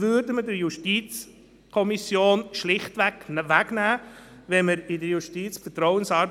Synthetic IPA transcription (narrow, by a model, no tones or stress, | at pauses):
vʏːɾdəmədəɾjuʃtiːt͡s | kʰɔmisjoːnʃlɪχtʋæknvæɡnæː | vɛnməɾɪdəɾjuʃtiːt͡sfətɾɔwənsɑːɾb